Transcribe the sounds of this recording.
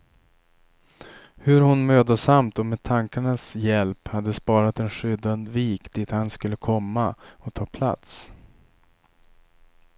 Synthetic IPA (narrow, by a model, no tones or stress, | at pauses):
hɵɾhʊnmøːd̪əsamt̪ɔmeːd̪̚t̪ʰaŋkaɳasjɛlphad̪ːəspɑːɾat̪ɛnɧʏd̪and̪viːkt̪ʰiːt̪hanskɵlːəkʰɔmːaɔt̪ʰɑːpʰla̰t̪s